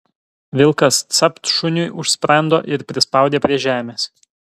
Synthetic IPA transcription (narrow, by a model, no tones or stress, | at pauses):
ʋʲɪlˠkɐst̪sʲɐpt̪ʃʊnʲʊjʔʊʃʲsʲpʲɾɐnd̪o̰ːʔɪɾpʲɾʲɪspɐˑʊd̪ʲeːpʲɾʲiɛʒʲæːmʲeːs